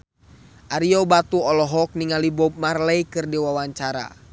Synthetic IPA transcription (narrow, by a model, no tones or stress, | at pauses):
ʔaɾiɔbat̪uɔlɔɦɔk̚niŋalibɔb̚marlɛikɨrdiwawaɲt͡ʃaɾa̰